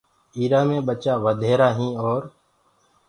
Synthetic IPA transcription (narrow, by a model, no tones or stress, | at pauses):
iːɾãːmẽːɓət͡ʃaːʋəd̪ʱeːɾaːɦĩːɔːɾ